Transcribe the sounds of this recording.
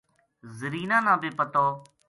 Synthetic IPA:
zəɾiːnãːnãːbeːpət̪ɔː

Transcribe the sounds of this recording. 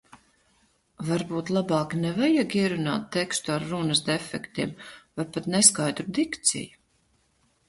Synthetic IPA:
vaɾbuːt̪lˠabaːknɛvajaɡiɛɾuna̰ːt̪ːɛkst̪uaɾːunɨsd̪ɛfɛkt̪iɛmvajpat̪nɛskajd̪ɾud̪ikt̪sḭju̥

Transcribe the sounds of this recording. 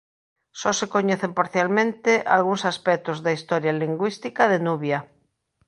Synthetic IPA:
sɔsekoɲeθempaɾθjalmẽnt̪eʔa̰lɣuŋsaspɛk̚t̪ozðaist̪ɔɾjaliŋɡwist̪ikaðenuβja

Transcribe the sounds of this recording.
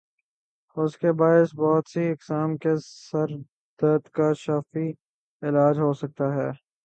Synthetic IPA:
ʊskebaːɪsbɔːt̪siɪksaːmkesɐɾ | d̪̥ət̪kaʃaːfi | ɪlaːd͡ʒɦosɐk̚t̪aɦɛː

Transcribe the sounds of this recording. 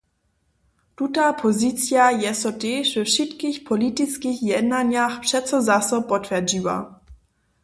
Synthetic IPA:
tutapʰɔzit͡sjajɛsɔtɛːʃvɛfʃɪtkixpʰɔlitit͡skixjɛdnaɲjaxpʂɛtt͡sɔzasɔpɔtvɛd͡ʑiva̰

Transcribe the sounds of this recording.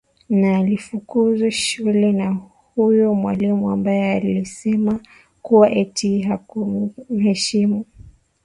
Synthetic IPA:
naːlifukuzuʃulɛna | hujɔmwalimuambajɛalisɛma | kuwaʔɛtʰiɦakum̩hɛʃimu

